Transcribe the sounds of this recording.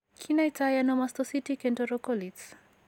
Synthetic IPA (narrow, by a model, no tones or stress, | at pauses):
kʰinaitaljanɔmast̪ɔsitikɛntɔɾɔkɔlis